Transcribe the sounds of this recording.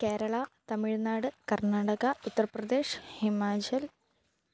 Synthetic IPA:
ke̞ːɾɐɭɐt̪ɐmiɻnaːɽɨkɐrnaːɽɐɣɐut̪ːɐrɐprɐd̪eːʂhimaːt͡ɕɐl

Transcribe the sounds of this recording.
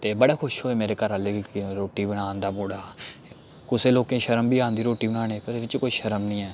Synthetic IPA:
t̪eːbəɽaːkʰʊʃɦoːeːmeːɾeːkəɾaːleːɡiːkːɾoːʈiːbəɽ̃ãːnd̪aːmoːɽaː | kʊseːloːkẽːʃəɾəmbʱiːãːnd̪iːɾoːʈiːbəɽaːñẽːpəɾeɪt͡ʃkoːiːʃəɾəmnĩːɛː

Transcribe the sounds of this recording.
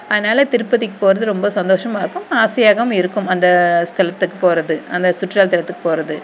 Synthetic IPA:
ɐðɐnaːlɐt̪ɪɾɯpːɐðɪkːɯ̥poːɾɐðɯɾɔmbɐsɐnd̪oːʂɐmaːɪɾɯkːɯmaːsɐjaːɣɐʋʊ̃mɪɾɯkːɯmɐnd̪ɐst̪ʰɐlɐt̪ːɯkːɯpoːɾɐðɯɐnd̪ɐsʊʈːɾaːlt̪ːɐlɐt̪ːɯkːɯ̥poːɾɐðɯ

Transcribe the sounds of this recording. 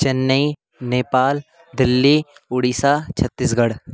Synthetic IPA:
t͡ʃɐnːəi | neːpaːl | d̪ɪlːiːʊɽiːsat͡ʃʰɐt̪ːisɡɐɽ

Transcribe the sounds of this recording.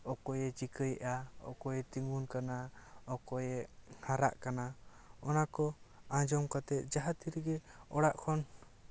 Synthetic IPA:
ɔkɔjɛd͡ʒikəjʔaɔ̰kɔjɛt̪iŋunkanaɔkɔjɛhaɾa̰ʔkanaɔnakɔãd͡ʒɔmkat̪ɛt̪̚ˀd͡ʒaɦat̪iɾɡɛɔɽaʔkʰɔn

